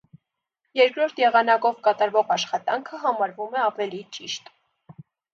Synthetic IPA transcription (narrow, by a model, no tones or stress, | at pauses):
jɛɾkɾɔɾt̪ʰjɛʁɑnɑkɔvkɑt̪ɑɾvɔʁɑʃχɑt̪ɑŋkʰəɦɑmɑɾvumɛɑvɛlit͡ʃiʃt̪